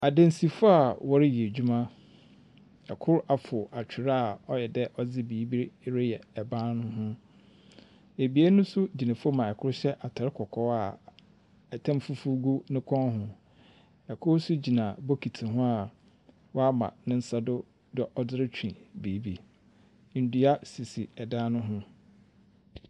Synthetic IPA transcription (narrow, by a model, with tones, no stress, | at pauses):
a˨dɛ̃˦n˨si˨fʊ˦a˨wɔ˦ɾɪ˦ji˨e˨d͡ʑᶣu˦mã˦ | ɛ˨kʰʊ˦ɾa˨fʊ˨ʔa˨t͡ɕʰᶣɪ˨ɾa˦˨ɔ˦jɛ˨dɛ˦ʔɔ˦d͡zɪ˦biː˨˦bi˦ɾɾe˦jɛ˨ɛ˨bã˦nʊ̃˦ɦʊ̃˦ | e˨bi˨e˦nʊ̃˦sʊ˦d͡ʑi˨nã˨fo˦mã˨ɛ˨kʰʊ˦ɾɕɛ˦ʔa˨tʰa˨ɾɪ˦kʰɔ˨kʰɔ˦a˨ | ɛ˨tʰã˦mfu˦fu˦ɡu˦nɪ̃˦kʰɔ̃˦ɦʊ̃˦ | ɛ˨kʰʊ˦sʊ˦d͡ʑi˨nã˨bo˦kʰi˨tʰi˨ɦʊ̃˦a˨ | wɔ˦a˦mã̰˨nɪ̃˦n̩˦sa˦dʊ˦ | dɔ˨ʔɔ˦dɪ˦ɾɪ˦t͡ɕʰᶣḭ̃˨biː˨˦bi˨ | n̩˨du˨a˦si˨si˨ɛ˨dãː˦nʊ̃˦ɦʊ̃˦